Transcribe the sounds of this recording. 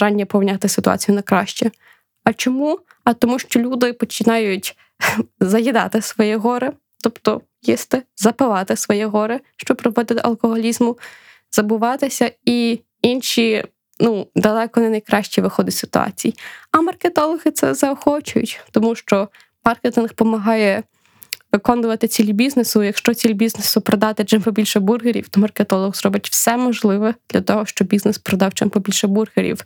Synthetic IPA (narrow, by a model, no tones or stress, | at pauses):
ɑnʲːɐpɔʋnʲɑt̪ɪsɪt̪ʊɑ̰t͡sʲijʊnɐjkɾɑ̰ʃt͡ʃɛ | ɐt͡ʃɔmu | ɐt̪ɔmuʃt͡ʃɔlʲud̪ɪpɔt͡ʃɪnɑjʊtʲ | zɐjid̪ɑ̰t̪ɪsʋɔjɛɦɔɾɪ | t̪ɔpt̪ɔ | jist̪ɪzɐpɪlˠɑt̪ɪsʋɔjɛɦɔɾɪʃt͡ʃɔb̚pɾɔʋɔd̪ɪt̪ɪʔɐ̰lˠkɔɦɔlʲizmʊ | z̥ɐbʊʋɑt̪ɪsʲɐi | inʃʲi | nud̪ɐlˠɛkɔnɛnɐjkɾɑʃt͡ʃʲiʋɪxɔd̪ɪtʲsɪ̥t̪ʊɑ̰t͡sʲijiɐmɐrket̪ɔlˠɔɣɪt̪sɛ̰zɐɔxɔt͡ʃʊjʊ̰tʲt̪ɔmuʃt͡ʃɔ | mɑrket̪ɪnxpɔmɐɦɑjɛ | ʋɪkɔnʊʋɐt̪ɪt͡sʲilʲibʲiznesʊjɐkʃt͡ʃɔt͡sʲilʲbʲiznesʊpɾɔd̪ɑt̪ɪt͡ʃɪmpɔbʲilʲʃɛburɦeɾʲḭwt̪ɔmɐrket̪ɔlˠɔɣzrɔbɪtʲw̥sɛmɔʒlˠɪʋɛd̪̥lʲʔɐt̪ɔɦɔʃt͡ʃɔbʲiznɛspɾɔd̪ɑwt͡ʃɪ̰mpɔbʲilʲʃɛburɦeɾʲḭw